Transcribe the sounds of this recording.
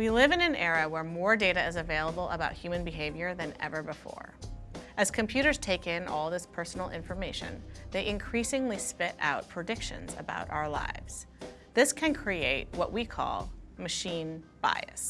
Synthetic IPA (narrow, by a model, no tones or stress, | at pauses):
wilɪvɨ̃nɨ̃nɛɹɨwə˞mɔɹdeɪɾɨɨzɨveɪlˠəbl̩ˠə̰baʊt̚hjʉmɨ̃nbɨɦeɪvjə˞ðɨ̃nɛ̰və˞bəfɔ̰ɹʔɨz̥kʰɨ̃mpʰj̥ʉɾə˞z̥tʰeɪkɪ̃nʔɔlˠðɪspʰɜ˞sn̩l̩ˠɪ̰̃ɱfə˞meɪʃɨ̰̃nðeɪʔɨ̃nkʰɹ̥isɪ̃ŋlispɪɾa̰ʊt̚pʰɹ̥ɨdɪkʃɨ̰̃nzɨ̰ba̰ʊɾʔa̰ʊə˞la̰ɪvz̥ | ðɪskʰɨ̃nkʰɹ̥ieɪt̚wʌ̰ʔwikʰɔ̰lˠmɨʃĩnb̥a̰ɪɨ̰s